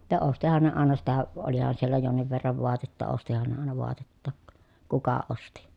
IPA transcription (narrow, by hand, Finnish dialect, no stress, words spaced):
tɑ ostihɑn ne ɑˑenɑ sitæ olihɑn sielːæ jonːiʋ ʋerːɑʋ ʋoɑtetːɑ ostihɑn ne ɑˑenɑ ʋoɑtetːɑˑk kukɑ osti